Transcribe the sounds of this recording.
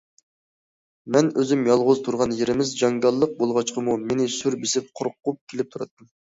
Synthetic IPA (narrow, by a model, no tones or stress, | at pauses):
mɛnøzymjɑlˠʁʊzt̪ʰuɾʁɑnjeɾɪmɪzd͡ʒɑŋɡɑlˠːəq̚bolˠʁɑt͡ʃqʰəmumenɪsyɾbɪsɪp̚qʰʊɾqːup̚kʲʰelɪp̚t̪ʰuɾɑ̰t̪ːɨm